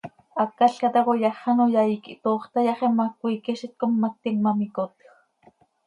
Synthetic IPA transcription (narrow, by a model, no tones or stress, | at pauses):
akːaɬkat̪akojɑχanojaikiʔt̪oːχt̪ajaχemːak̚ʷiːkiʃit̪̚komːak̚t̪iŋmamikot̪x